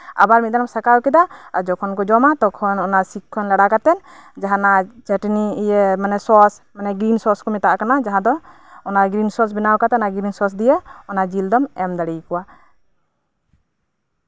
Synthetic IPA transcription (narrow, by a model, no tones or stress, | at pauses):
a̰baɾmit̪̚d̪anɔmsakawkɛd̪aad͡ʒɔkʰɔnkɔd͡ʒɔmat̪ɔkʰɔnɔnasikʰːɔnlaɽakat̪ɛn | d͡ʒaɦanat͡ʃɛʈnijɛmanɛsɔsmanɛɡɾinsɔskɔmɛt̪aʔakanad͡ʒaɦãd̪ɔː | naɡɾinsɔɾs̬bɛnawkat̪ɛnaɡɾinsɔs̬d̪ijəɔnad͡ʒild̪ɔmɛmd̪aɽijkɔwa